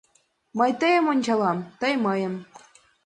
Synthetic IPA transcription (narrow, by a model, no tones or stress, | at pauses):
mɤ̆jt̪ɤjə̆monʲd͡ʑɑlˠɑmt̪ɤ̆jmɤjɤ̆m